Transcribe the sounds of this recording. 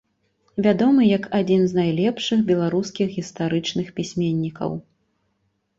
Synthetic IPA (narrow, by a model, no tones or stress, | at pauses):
vʲad̪ɔmɨjɐkad͡zʲinznajlʲɛpʂɨxbʲɛlˠaɾuskʲixɣʲist̪aɾɨt͡ʂnɨxpʲisʲmʲenʲːikɐ̰w